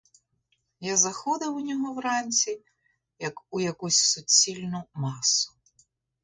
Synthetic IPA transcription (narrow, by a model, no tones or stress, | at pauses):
jazɐxɔd̪ɐwʊnʲɔɦɔwɾɑnʲt͡sʲi | jɐkʊjɐkusʲsʊt͡sʲːilʲnʊmɑsʊ̥